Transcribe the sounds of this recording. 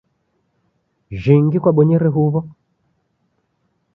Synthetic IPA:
ʒiŋɡikwaɓɔɲɛɾɛɦuβɔ

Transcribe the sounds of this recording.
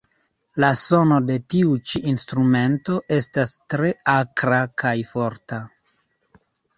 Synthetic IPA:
laso̞no̞de̞tiut͡ʃiʔinstɾume̞nto̞ʔe̞stastɾe̞akɾakʰajfo̞ɾta

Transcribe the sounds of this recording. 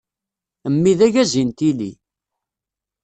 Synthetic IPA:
əmːiðæʝæzint̪ilḭ

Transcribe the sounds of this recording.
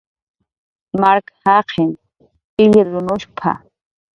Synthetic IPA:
maɾkhaqʰɪn | ɪʎɪɾɾʊnʊʃpʰa̰

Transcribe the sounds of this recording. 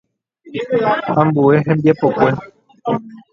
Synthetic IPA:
hãmbue̞ɦẽmbiapo̞kʷe̞

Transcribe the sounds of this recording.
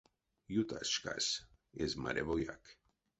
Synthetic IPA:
jut̪asʃka̰s | ezma̰ɾevoja̰k

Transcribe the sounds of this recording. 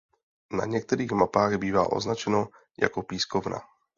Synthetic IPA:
na̰ɲɛk̚t̪ɛɾiːɣmapaːɣbiːva̰ːʔo̞̰znat͡ʃɛno | ja̰ko̞piːskovna̰

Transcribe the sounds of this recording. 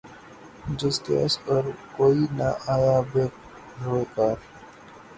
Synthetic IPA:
d͡ʒɪskḛspəɾkoːinaʔaːjabeːk | ɾoekaːɾ

